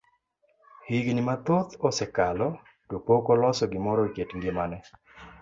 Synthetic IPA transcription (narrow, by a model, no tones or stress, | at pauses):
hɪɡnɪmat̪ot̪ɔsɛkalɔ | dopokɔlɔsɔɡɪmɔɾɔketŋɡɪmanɛ